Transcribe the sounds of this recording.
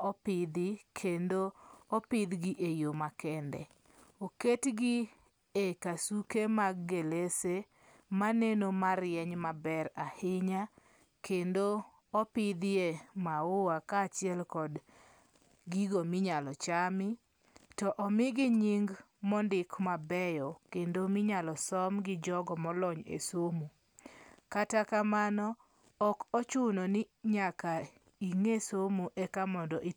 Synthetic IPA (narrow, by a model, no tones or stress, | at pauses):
ɔpɪd̪ɪkʰendoɔpɪd̪ɡiʔejomakɛndɛ̰ | oketɡi | ekasukemaɡːelese | manenomaɾjɛɲmabɛɾahɪɲa | kʰendo | ɔpɪd̪ɪemaowakaːt͡ʃɪɛlkɔd | ɡiɡomɪɲalɔt͡ʃamɪ | tɔʔɔmɪɡɪɲiŋɡmɔndɪkmabɛjɔkendomɪɲalɔsɔmɡɪd͡ʒɔɡɔmɔlɔɲḛsomu | katakamanɔː | kɔt͡ʃunonɪɲaka | iŋesomuʔɛkamɔndɔʔi